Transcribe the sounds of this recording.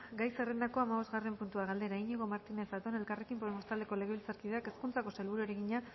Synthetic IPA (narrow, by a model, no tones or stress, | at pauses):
ɡajse̞re̞nd̪ako̞amaβ̞o̞zɣare̞mpunt̪uaɣald̪e̞ɾaiɲeɣo̞maɾt̪ine̞sat̪o̞ne̞lkare̞kimpo̞emo̞st̪ald̪e̞ko̞leɣe̞βilt͡saɾkiðeake̞skunt͡sako̞selβuɾueɾeɣiɲa